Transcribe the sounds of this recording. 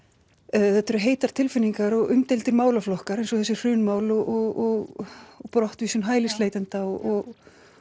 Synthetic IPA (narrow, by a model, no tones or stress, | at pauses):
θɛt̪ːɛɾʏɦeːjt̪aɾt̪ʰɪlfɪnːiŋkaɾɔɣʏmt̪ejlt̪ɪɾmaːwlaflɔhkaɾejnsɔθɛsːɪr̥ʏːnmaːwlɔʔɔɣɔɣpɾɔht̪viːsʏnɦaːjlɪsleːjt̪ɛnt̪aɔɔɣ